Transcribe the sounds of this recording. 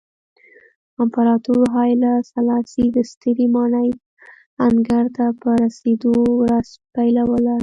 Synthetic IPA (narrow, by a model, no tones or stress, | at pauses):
ampaɾɑt̪uɾɦɑjlasalɑsid̪əst̪əɾimɑɳəj | aŋɡaɾt̪apəɾased̪owɾaz̥pajlawəla